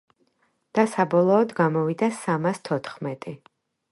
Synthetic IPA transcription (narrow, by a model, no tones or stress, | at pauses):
d̪̥asabɔlˠɔːd̪ɡamɔvid̪asamast̪ʰɔt̪ʰχmɛt̪ʼi